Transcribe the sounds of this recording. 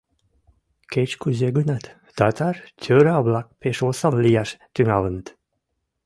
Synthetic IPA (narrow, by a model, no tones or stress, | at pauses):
ket͡ʃkuzʲeɡunat̪ | t̪at̪ʰaɾtʰʲøɾablak̚peʃosallijaʃt̪yŋalənt̪